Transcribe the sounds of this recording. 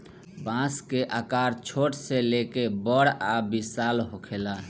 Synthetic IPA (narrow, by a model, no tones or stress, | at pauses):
bãskeʔakaɾt͡ʃʰoʈselekebəɽabisalɦokʰela